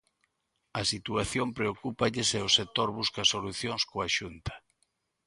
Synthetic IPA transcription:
ɐsit̪uaθjompɾeokupɐʎɪseʊsek̚t̪oɾβuskɐsoluθjoŋskoaʃunt̪ɐ̥

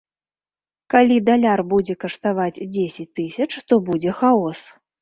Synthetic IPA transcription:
kalʲid̪alʲarbud͡zʲɛkɐʂt̪avad͡zʲd͡zʲesʲɐt͡sʲt̪ɨsʲɐt͡ʂt̪ɔbud͡zʲɛxaɔs

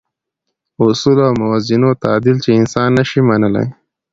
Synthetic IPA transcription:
ʊsulawmʊwazinot̪aːd̪ilt͡ʃeɪnsɑnːəʃimɐnəla̰j

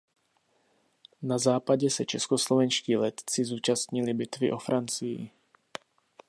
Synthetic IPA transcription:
nazaːpaɟɛsɛt͡ʃɛskoslo̞vɛnʃciːlɛt̪t͡sɪzuːt͡ʃast̪ɲɪlɪbɪt̪vɪʔo̞fɾʔant͡sɪjɪ̰

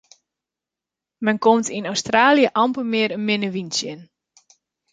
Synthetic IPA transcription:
mɛnkomtinɔwstraːljəʔɑmpəmɪəɾənmɪnəʋinsjən

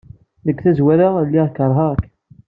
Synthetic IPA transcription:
ðəkːθæzwæɾəlːiʁkəɾˤɦɑʁkː

